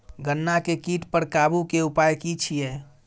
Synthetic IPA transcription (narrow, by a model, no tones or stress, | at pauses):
ɡənːakekiːʈpəɾkabukeupaːjkit͡ʃʰijɛː